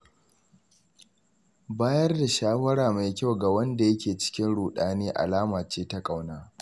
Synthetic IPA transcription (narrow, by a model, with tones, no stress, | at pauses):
baː˦jɐ˦rda˨ʃaː˦wɐ˦ɽaː˨ma˨jkʲa˦wɡa˨wɐ˦nda˨jɐ˦kʲeː˨t͡ʃɪ̥˦kʲɪ˦nɽuː˨ɗaː˦neː˦ʔa̰˨laː˦maː˨t͡ʃeː˦ta˦kʼa˨wnaː˦